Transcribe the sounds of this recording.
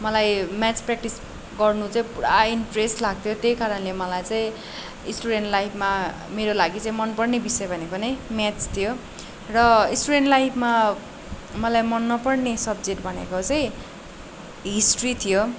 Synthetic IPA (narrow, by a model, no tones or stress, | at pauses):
mʌlajmjat͡sprak̚ʈis | ɡʌrnut͡saĩpuɽa̰inʈresʈlaɡ̚t̪ʰjot̪ejkaɾʌnlemʌlajt͡saĩ | isʈuɾenʈlajpʰma | meɾolaɡit͡saĩmʌnpʌrnebisʌjbʱʌnekonemat͡st̪ʰijo | rʌisʈuɾeɳʈlajpʰma | mʌlajmʌnːʌpʌrnesʌbd͡zeʈbʱʌnḛkot͡saĩ | ɦisʈrit̪ʰijo